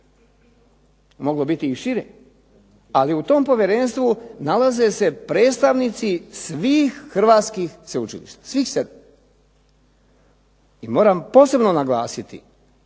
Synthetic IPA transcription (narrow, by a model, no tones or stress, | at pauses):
mo̞ɡlo̞bit̪iːʃiɾe | aliut̪o̞ːmpo̞ʋjeɾenst̪ʋunalaze̞se̞pɾe̞ːt̪st̪aʋnit̪sisʋiːxːr̩ʋaːt̪skixseut͡ʃilḭʃt̪ḁsʋiːxsed̪ | imo̞ːɾampo̞ːse̞bno̞naɡlaːsit̪ḭ